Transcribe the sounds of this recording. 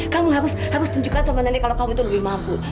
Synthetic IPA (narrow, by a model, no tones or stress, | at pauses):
kamuɦaɾʊshaɾʊst̪uɲd͡ʒukansəmənarɲakalokamuit̪uləbihmapu